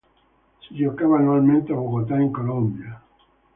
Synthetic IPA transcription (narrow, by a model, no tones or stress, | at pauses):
siʎokaβanuwalmẽnt̪eaβoɣot̪aeŋkolõmbja